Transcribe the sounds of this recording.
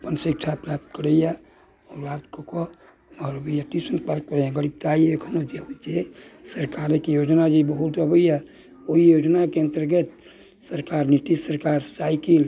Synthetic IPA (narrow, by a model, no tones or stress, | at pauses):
pənsik̚t͡ʃʰapɾap̚t̪̚kəɾeja | ɔːɾːaːt̪kokɔ | mɾbəjat̪isənpaːlt̪̚kəɾejãɡəɾib̚t̪aiekʰənod͡ʒeid͡ʒesəɾkaɾekijoːd͡ʒnad͡ʒibəɦut̪ɾəbəiɛ | oijoːd͡ʒnakeɪ̃nt̪əɾɡet̪ | səɾkaːɾnit̪issəɾkaːɾsaɪkil